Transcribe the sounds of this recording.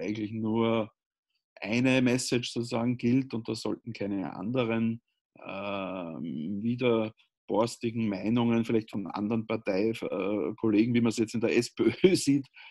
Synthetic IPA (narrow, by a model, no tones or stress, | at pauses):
ʔæɪɡŋ̩tlɪçnuːɐ | ʔæɪnəmɛsɪt͡ʃsoːt͡suzaːɡŋ̩ɡ̥ɪltʊnt̚d̥assɔ̰ltn̩kʰæɪnəʔa̰ndəʁən | ʔə̰ | viːdɐ | b̥ɔɐstɪɡŋ̩mæɪnʊŋənfɪlæɪçtfɔnʔã̰ndəʁənpaɐtaɪfəkʰoleːɡŋ̩viːmɐsjɛt͡stɪndəɐʔɛsbeøːsiːt